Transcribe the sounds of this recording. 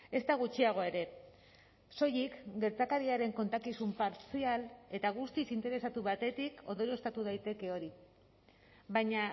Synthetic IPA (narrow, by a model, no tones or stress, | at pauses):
e̞st̪aɣ̞ut͡ʃiaɣ̞o̞e̞ɾe̞ | so̞jikɡe̞ɾt͡sakaɾiaɾe̞ŋko̞nt̪akisumpaɾt͡siale̞t̪aɣust̪isint̪e̞ɾe̞sat̪uβat̪e̞t̪iko̞nd̪o̞ɾe̞st̪at̪uð̞ajt̪e̞ke̞o̞ɾi | βajɲa